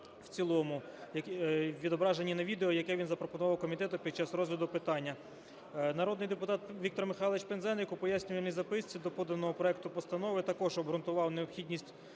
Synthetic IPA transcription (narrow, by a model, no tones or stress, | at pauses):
w̥t͡sʲilˠɔmʊjɐkʋʲid̪ɔbɾɑʒenʲːinɐʋʲid̪eɔjɐkɛʋʲinzɐpɾɔpɔnʊʋɑwkɔmʲit̪ɛt̪ʊpʲid̪̚t͡ʃɑsrɔzɦlʲɐd̪ʊpɪt̪ɑnʲːɐ | nɐɾɔd̪nɪjd̪epʊt̪ɑt̪ʋʲikt̪ɔrmɪxɑlˠet͡ʃpenzɛnɪkʊpɔjasʲnʲʊʋɐlʲnʲizɐpɪsʲt͡sʲid̪ɔpɔd̪ɐnɔɦɔpɾɔɛkt̪ʊpɔst̪ɐnɔʋɪt̪ɐkɔʒɔbɦɾʊnt̪ʊʋɑwneɔpxʲidʲnʲisʲtʲ